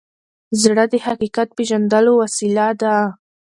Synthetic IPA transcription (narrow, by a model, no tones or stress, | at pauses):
zɽəd̪əhaqiqat̪̚peʒand̪əlowasilad̪a